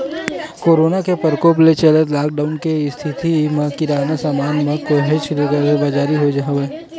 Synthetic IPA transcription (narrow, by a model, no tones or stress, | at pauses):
koːɾoːnakepəɾkoːplet͡ʃɐlət̪laːk̚ɖaːʊnkeɪst̪ʰɪt̪imɐ̃kɪɾaːnasaːmaːnmẽkoɦet͡ʃbɐd͡ʒaːɾiɦod͡ʒaːɦʋeː